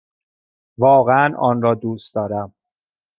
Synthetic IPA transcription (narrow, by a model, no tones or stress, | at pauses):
vɒːɣeænʔɒ̰ːnɾɒːd̪uːst̪d̪ɒːɾæm